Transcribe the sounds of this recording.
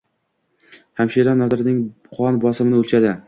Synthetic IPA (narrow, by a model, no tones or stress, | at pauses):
hamʃiɾanɒd̪ɪɾɪnɪŋ | qʰɒnbɒsɪmɪnɪɵlt͡ʃad̪ɪ